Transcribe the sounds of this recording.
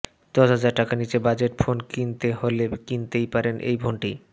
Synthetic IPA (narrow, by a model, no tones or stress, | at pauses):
d̪̥ɔʃɦad͡ʑaɾʈakanit͡ɕebad͡ʑeʈfʰonkint̪eɦolekint̪ejpaɾenʔḛjbʱoɳʈi